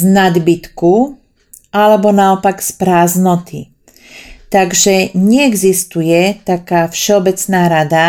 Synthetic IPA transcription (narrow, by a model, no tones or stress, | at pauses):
znad̪bit̪ku | alɛbɔnaɔpakspɾaːznɔt̪ḭ | t̪aɡʒɛɲɛːɡzist̪ujɛt̪akaːfʃɛɔbɛt͡snaːɾad̪a